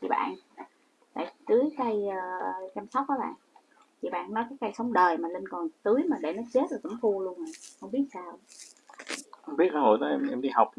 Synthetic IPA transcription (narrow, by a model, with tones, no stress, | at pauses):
t̪ʰḭ˧˩ɓa̰ː˧˨n | la̰ː˧˨jt̪ɨ˨˦jka˧jəː˨˩t͡ɕaː˧msɔ˦˥wk͡p̚ʔəː˨˦ɓa̰ː˧˨n | t̪ʰḭ˧˩ɓa̰ː˧˨nːɔ˨˦jkaː˨˦jka˧jsə˨˦wŋ͡mɗəː˨˩jmaː˨˩le˧nkɔ˨˩nt̪ɨ˨˦jmaː˨˩ɗe˧˩nɔ˨˦t͡ɕe˦˥t̚la˨˩t̪ə˧˨˦mfu˧lu˧ənə˨˩jhə˧wŋ͡mɓi˦˥ət̚saː˧˩w | ʔɛ˧mɓi˦˥ət̚saː˧ho̰˧˨jnɔ˨˦ʔɛ˧mʔɛ˧mɗi˧ha˨˩wk͡p̚